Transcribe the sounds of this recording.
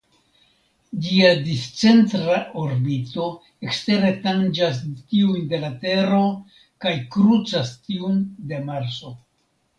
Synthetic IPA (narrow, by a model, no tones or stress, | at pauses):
d͡ʒiadist͡se̞ntɾaʔoɾbito̞ | e̞kste̞ɾe̞tand͡ʒas̬tiunde̞late̞ɾo̞ | kajkɾut͡sastiunde̞maɾso̞